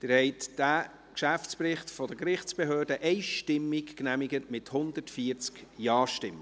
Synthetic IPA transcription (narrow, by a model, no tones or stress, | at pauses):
d̥ɪɾhɛɪtd̥æ | kʃæft͡spɾɪχtfɔd̪əkɾɪχt͡sb̥eɦøːdəʔɛɪʃtɪmːikknæmɪɡətmɪthʊnd̪ətfiəɾt͡skjɑːʃtɪmː